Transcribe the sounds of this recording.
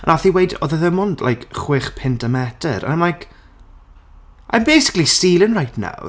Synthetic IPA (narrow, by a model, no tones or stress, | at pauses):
ənʔaθiwejdɔ̰ðəðəmɔndla̰jkχwɪχpʰɪntʰəmɛtʰə̰ɾa̰nmlajk | ʔa̰jnbejsɪ̥klisiːlˠənrajtʰna̰w